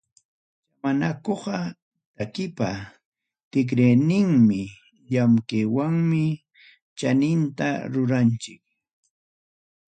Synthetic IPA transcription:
t͡ʃamanakoχɑ | t̪akɪpa | t̪ɪk̬ɾejnɪŋmɪ | ʎamkewaŋmɪ | t͡ʃanɪnt̪a̰ɾʊɾant͡ʃɪk̚

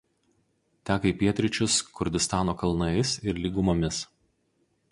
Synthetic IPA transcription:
t̪ʲæːkɐipʲiɛt̪ʲɾʲɪt͡ʃʲʊskʊɾʲd̪ʲɪst̪ɑːnoːkɐlˠnɐɪsɪɾlʲiːɡʊmoːmʲɪs

